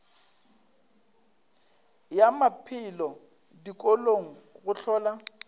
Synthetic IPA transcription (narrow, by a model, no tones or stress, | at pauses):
jamapʰɪlɔ | dikʼoloŋ̩ɣʊɬʰɔːla